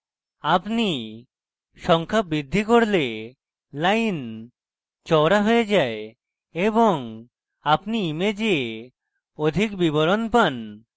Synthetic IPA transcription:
apni | ʃɔŋkʰabɾid̪ʱːikoɾle | lajn | t͡ʃɔɾaɦojed͡ʒae | eβoŋ | apniːmed͡ʒee | od̪ʱikbiβoɾonpan

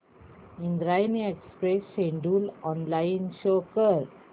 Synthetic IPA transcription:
ĩnd̪ɾajniekspɾesːẽɳɖuːlɔnlaɪnɕokəɾ

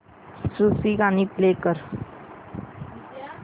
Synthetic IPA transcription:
susiɡaniːplekəɾ

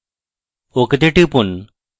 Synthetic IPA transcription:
okt̪eʈipun

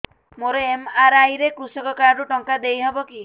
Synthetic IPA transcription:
moɾeemaɾajɾekɾusɔkɔkaɾuʈɔŋkad̪ejɦebɔki

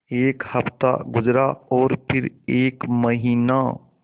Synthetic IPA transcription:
eːkhəpt̪a̰ɡʊd͡ʒɾaɔːɾpʰɪɾeːkməɦiːna

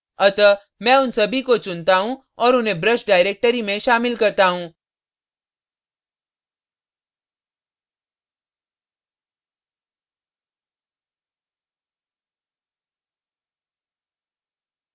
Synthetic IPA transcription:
ɐt̪ə | mɛ̃ʊnsɐbʱikot͡ʃʊnt̪aɦũ | ɔːɾʊnɦẽbɾəʃɖaːɪɾeːk̚ʈəɾimẽʃaːmɪlkɐɾt̪aɦũː

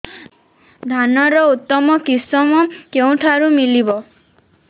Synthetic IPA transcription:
d̪ʱanɔɾɔut̪ːɔmɔkisɔmɔkew̃ʈʰaɾumilibɔ

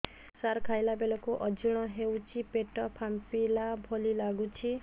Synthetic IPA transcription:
saɾkʰajlabelɔkuʔɔd͡ʒiɽ̃ɔɦewt͡ʃʰipeʈɔpʰampilabʱolilaɡut͡ʃʰi

